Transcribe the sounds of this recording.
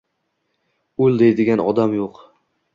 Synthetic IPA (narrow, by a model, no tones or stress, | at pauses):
ɵlˠd̪e̞jd̪ɪɡʲanɒd̪amjoq